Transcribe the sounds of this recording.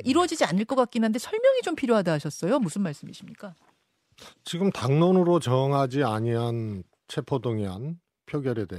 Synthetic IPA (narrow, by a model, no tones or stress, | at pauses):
iɾwʌd͡ʑid͡ʑianɯɭk͈ʌk͈ak͈inande̞sʰʌɭmjʌŋit͡ɕompʰiɾjoɦadaɦaɕʰʌs͈ʌjomusʰɯnmaɭs͈ɯmiɕʰimɲik͈a | t͡ɕiɡɯmtaŋnonɯɾot͡ɕʌŋɦad͡ʑiaɲiɦan | t͡ɕʰe̞pʰodoŋiɦan | pʰjʌɡjʌɾe̞deo